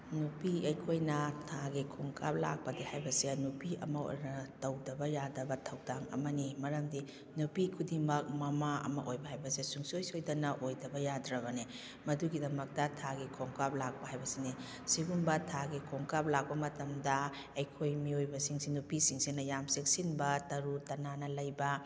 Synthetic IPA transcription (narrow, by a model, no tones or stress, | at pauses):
nupiɐjkʰojnɐtʰaɡikʰoŋkʰap̚la̰k̚pɐdihajbɐsenupiɐ̰mɐo̰jnɐtɐwdɐbɐjadɐbɐtʰɐwdaŋɐ̰mɐnimɐɾɐmdi | nupikʰudimɐk̚mɐmaɐ̰mɐʔojbɐhajbɐsesuŋsojsojdɐnɐʔojdɐbɐjadɾɐβɐne | mɐduɡidɐmɐk̚tɐtʰaɡikʰoŋkap̚lak̚pɐɦajbɐsini | siɡunbɐtʰaɡikʰoŋkap̚lak̚pɐmɐtɐmdɐ | ɐjkʰojmiojbɐsiŋsinupisiŋsinɐjamsek̚sinbɐtɐɾutɐnanɐlɐjbɐ